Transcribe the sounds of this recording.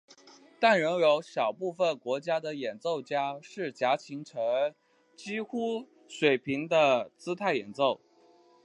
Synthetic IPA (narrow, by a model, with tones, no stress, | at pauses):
t̪a˥˩nɻə˧˥ŋjo˧˥ʊɕjɑ˨˩ʊpu˥˩fə˨˩nkwɔ˧˥t͡ɕja˥d̪ə˨jɛ˨˩nt͡so˥˩ʊt͡ɕja˥ʂɻ̩˥˩t͡ɕja˧˥t͡ɕʰi˧˥ŋʈ͡ʂʰɤ˧˥ŋ | t͡ɕi˥xu˥ | ʂwe˨˩ɪpʰi˧˥ŋd̪ə˧t͡sɹ̩˥t̪ʰa˥˩ɪjɛ̰˨˩nt͡so˥˩ʊ